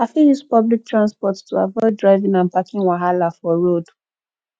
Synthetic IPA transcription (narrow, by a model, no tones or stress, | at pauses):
hafĩjuspɔblik̚tʰɹãnspɔtstʰua̰vɔɪdɹaɪvĩŋãnpakʰĩŋwaɦalafɔɹod̥